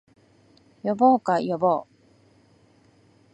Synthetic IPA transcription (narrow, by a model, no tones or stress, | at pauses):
joboːkajoboː